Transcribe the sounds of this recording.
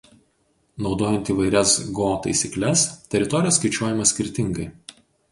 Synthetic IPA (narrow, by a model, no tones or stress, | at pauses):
nɒʊd̪oːjɛnʲt̪ʲiːʋɐɪɾʲɛsɡoːt̪ɐɪsʲiklʲɛst̪ʲɛɾʲɪt̪ɔɾʲɪjoːskɐɪt͡ʃʲuɔjɪmɐsʲkʲɪɾʲt̪ʲɪŋɡɐɪ